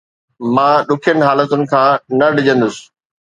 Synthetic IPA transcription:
mãːɗʊkʰjənɪ̆ɦaːlət̪ʊnɪ̆kʰãːnɐɖɪd͡ʑə̃nd̪ʊsɪ̥̆

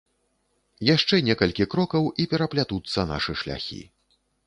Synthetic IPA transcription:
jaʂt͡ʂɛnʲɛkɐlʲkʲikɾɔkɐwipʲɛɾɐplʲat̪ut̪sːɐna̰ʂɨʂlʲa̰xʲḭ

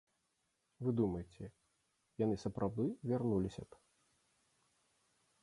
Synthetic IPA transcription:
vɨd̪umɐjt͡sʲɛ | janɨsɐpɾʔawd̪ɨvʲarnulʲisʲɐ̰t

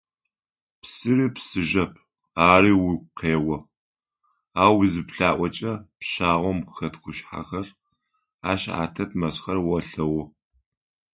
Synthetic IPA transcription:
psɨriːpsɨʒɐpʰ | aːriːwʊqeːwɔ | aːwzɨpɬaːʔʷɔt͡ʃʼɐpʃaːʁʷɔmxɐtɡʷʊʃħa̰xɐr | aːʃa̰ːtʰɐtʰmɐsχɐrwɐɬɐwɔ

